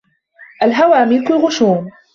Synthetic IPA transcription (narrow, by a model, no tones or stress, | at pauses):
ʔalɦawaːmiːkʊlɣʊʃuːm